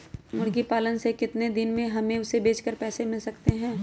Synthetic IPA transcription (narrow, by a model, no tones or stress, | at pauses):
mʊɾɡipaːlənsekɪt̪ned̪ɪnmẽɦɐmẽʊsebeːt͡ʃkəɾpɛːsemɪlsɐkt̪eɦɛ̃ː